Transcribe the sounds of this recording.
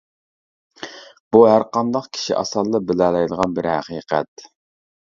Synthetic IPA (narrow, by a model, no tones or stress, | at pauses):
b̥uɦæɾqɑnd̪ɑqkʲʰi̥ʃḭʔɑ̰sɑlˠːɨbɪlɛlˠɛjd̪əʁɑnbɪɾhæ̰qiːqɛ̰t̪̚